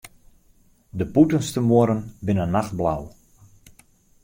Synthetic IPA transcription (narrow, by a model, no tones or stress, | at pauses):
dəputənstəmoəɾənbɪnənːaxt̚bla̰w